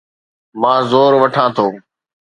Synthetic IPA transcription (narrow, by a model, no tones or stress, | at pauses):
mãːzoːɾʋəʈʰãːt̪ʰoː